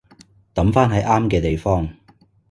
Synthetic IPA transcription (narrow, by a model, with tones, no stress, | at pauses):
t̪ɐ˨˥mfaː˥nɦɐ˨˥jʔaː˥mkɛː˧t̪e˨jfɔː˥ŋ